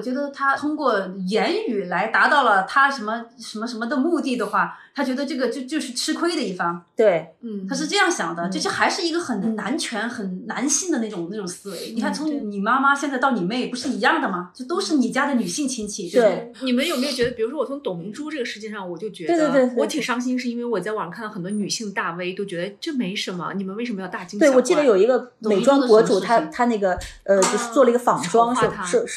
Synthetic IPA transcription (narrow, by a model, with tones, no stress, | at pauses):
t͡ɕɥɛ˧˥d̪ə˧t̪ʰa˥t̪ʰʊ˥ŋkwɔ˥˩jɛ˧˥ny˨˩la˧˥ɪt̪a˧˥t̪ɑ˥˩ʊlə˩t̪ʰa˥ʂə˧˥nmə˧ʂə˧˥nmə˧ʂ̬ə˧˥nmə˧d̪ə˨mu˥˧t̪i˥˩d̪ə˩xwa˥˩t̪ʰa˥t͡ɕɥɛ˧˥d̪ə˧ʈ͡ʂɤ˥˩ɡə˩t͡ɕjo˥˧ʊt͡ɕjo˥˧ʊʂɻ̩˥˩ʈ͡ʂʰɻ̩˥kʰwe˥ɪd̪ə˨i˥˩fɑ˥ŋt̪we˥˩ɪ˥˩t̪ʰa˥ʂɻ̩˥˧ʈ͡ʂɤ˥˧jɑ˥˩ŋɕjɑ˨˩ŋd̪ə˦t͡ɕʊʂɻ̩˥˩xa˧˥ɪʂɻ̩˥˩i˧˥ɡə˧xə˨˩n˨˩nna˧˥nt͡ɕʰɥɛ˧˥nxə˨˩nna˧˥nɕi˥˩d̪ə˩na˥˩ʈ͡ʂʊ˨˩ŋna˥˩ʈ͡ʂʊ˨˩ŋsɹ̩˥˩ni˨˩a˥˩t͡sʰʊ˧˥ŋni˨˩ma˥ma˥ɕjɛ˥˧t͡sa˥˧ɪt̪ɑ˥˩ʊni˨˩me˥˩ɪpu˧˥ʂɻ̩˥˩i˧˥jɑ˥˩ŋd̪ə˩mɐ˩t͡ɕt͡ɕjo˥˩ʊt̪o˥ʊʂɻ̩˥˩ni˨˩t͡ɕja˥d̪ə˨ny˨˩ɕi˥˩ŋt͡ɕʰi˥nt͡ɕʰi˥˩t͡ɕjo˥˧ʊe˥˩˥ni˨˩mə˦njo˨˩ʊme˥jʊt͡ɕʲɥɛ˧˥ə˧pi˨˩u˧˥ʂwɔ˥wɔ˨˩t͡sʰʊ˧˥ŋt̪ʊ˨˩ŋmi˧˥ʈ͡ʂu˥ʈ͡ʂɤ˥˩ɡə˩ʂɻ̩˥˧t͡ɕjɛ˥˧ʂɑ˥˩ŋwɔ˨˩t͡ɕjo˥˩ʊt͡ɕɥɛ˧˥wt̪t̪e˥˧wɔ˧˥˩t̪ʰi˨˩ŋʂɑ˥ŋɕ̬i˥nʂɻ̩˥˧i˥nwe˥˩ɪwɔ˨˩t͡sa˥˩ɪwɑ˨˩kʰnɑ˥˩xə˨˩t̪wɔ˥ny˨˩ɕi˥˧ŋd̪ə˩t̪a˥˩we˥ɪt͡ɕjo˥ʊt͡ɕɥɛ˧˥d̪ʈ͡ʂɤ˥˩me˧˥ɪʂə˧˥nmə̰˧ni˨˩mə˦nwʂə˧mə˧jt̪a˥˩tt͡ɕi˥ŋwɪ˧wɔ˨˩t͡ɕi˥˩d̪ə˧˩jo˨˩ʊi˧˥ɡə˧e˨˩ɪʈ͡ʂwɑ˥ŋkwɔ˧˥ʈ͡ʂu˨˩t̪ʰa˥t̪ʰa˥ne˥˩ɪɡə˩ə˧t͡ɕjo˥˧ʊʂɻ̩˥˧t͡swɔ˥˩lə˩i˧˥ɡə˧fɑ˨˩ŋʈ͡ʂwɑ˥ŋʂ̩ʰ˥˩˥ʂɻ̩˥˩˥